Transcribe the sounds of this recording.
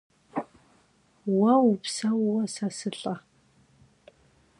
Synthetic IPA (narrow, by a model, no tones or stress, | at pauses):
wɐwupsɐwwɐsasɨɬʼɐ